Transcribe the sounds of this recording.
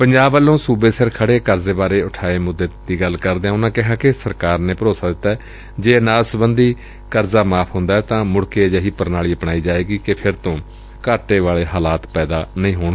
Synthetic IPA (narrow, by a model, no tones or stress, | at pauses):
pəɲd͡ʒaːbʋəlːõːsuːbeːsəɾkʰəɽeːkəɾzeːbaːɾeːʊʈʰaːeːmʊd̪ːeːd̪iːɡəlkəɾd̪eãːʊnãːkɪɦãːkɪsəɾkaːɾneːpəɾoːsaːd̪ɪt̪ːaːɛː | d͡ʒeːnaːsbənd̪iː | kəɾzaːmaːpʰɦõːnd̪aːɦɛːt̪ãːmʊɽkeːd͡ʒaɦiːpəɾnaːɭiːəpɳaːiːd͡ʒaːeːɡiːkɪpʰɪɾt̪õː | kaːʈeːʋaːɭeːɦaːlaːt̪pɛːd̪aːnəĩːɦoːɳ